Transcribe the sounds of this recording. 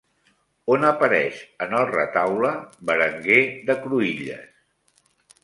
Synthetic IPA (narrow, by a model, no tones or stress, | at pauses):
onəpəɾɛʃənəlˠrə̰t̪awləbəɾəŋɡeðəkɾuiʎə̰s